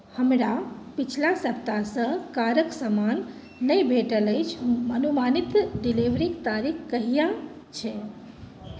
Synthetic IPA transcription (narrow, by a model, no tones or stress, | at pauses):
həmɾapit͡ʃʰlãsəp̚t̪asə̃kaɾəksəmanː | əjbʱeʈələjt͡ʃʰmənumanit̪ɖiliʋɾikt̪aɾikʰkəɦijã | t͡ʃʰɛ